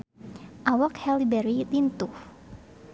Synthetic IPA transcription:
ʔawakhɛlibɛɾilint̪uh

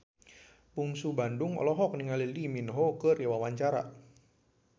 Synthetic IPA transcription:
puŋsubanduŋɔ̰lɔɦɔk̚niŋaliliminɦɔkɨriwawaɲt͡ʃaɾa̰

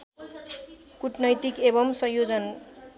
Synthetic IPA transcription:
kuʈnʌjt̪ikebʌmsʌ̃jod͡zʌn

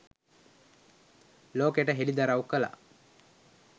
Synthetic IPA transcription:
loːkeːʈəɦelid̪ɐɾaukəla̰

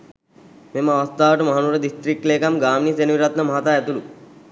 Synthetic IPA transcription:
memaʋɐst̪aːʋəʈəmɐɦanuɾəd̪ist̪ɾikːleːkamɡaːmnisenʋiɾat̪nəmɐɦat̪aɛt̪ulu

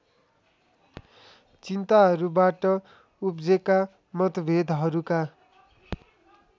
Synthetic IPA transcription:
t͡sint̪aɦʌɾubaʈʌ | upd͡zeka | mʌt̪ʌbʱed̪ʱɦʌɾuka

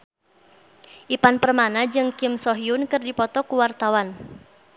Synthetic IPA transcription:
ʔipanpərmanad͡ʒɨŋkɪmsɔɦiunkərdipɔt̪ɔkuwart̪awan

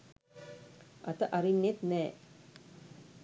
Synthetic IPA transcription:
ʔɐt̪əʔɐɾinːet̪nɛː

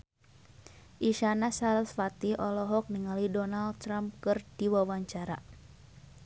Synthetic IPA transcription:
ʔiʃanasalsfat̪iʔɔlɔɦɔk̚niŋalidɔnald̪̚t̪ɾamp̚kɨrd̥iwawaɲt͡ʃaɾa̰

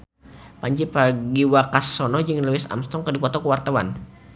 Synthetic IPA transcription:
paɲd͡ʒipaɡiwakasɔnɔd͡ʒɨŋluwɪsa̰mst̪ɔŋkərdipɔt̪ɔkəwart̪awa̰n

